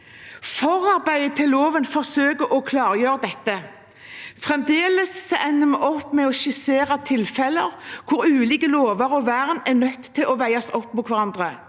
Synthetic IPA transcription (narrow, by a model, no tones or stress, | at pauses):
fɔʁɑʁbæɪət̪ʰɪllːoːʋənfɔʁsøːkəʔɔkʰlɑːʁjøːʁəd̪ɛt̪ːə | fʁɛmd̪eːləsːɔʔɛnːəmɛʔɔpːmɛɔʃɪseːʁɑt̪ʰɪlfɛləʁkʰʊɾʉːliːkəloːʋəɾɔʋæʁnɛnœt̪ʰːɪlʔɔʋæɪɑsɔpːmuːt̪ʰʋæʁɑnd̪ʁə